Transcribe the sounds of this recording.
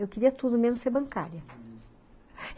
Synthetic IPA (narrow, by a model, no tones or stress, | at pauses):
ewkeɾiɐt̪ud̪ʊmẽnʊseɾbɐ̃kaɾjɐ